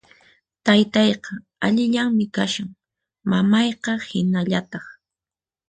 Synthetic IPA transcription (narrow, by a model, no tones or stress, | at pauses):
t̪ajt̪ɑjqɑ | aʎɪʎaŋmɪkaʃaŋ | mamɑjqɑhɪnaʎat̪ɑχ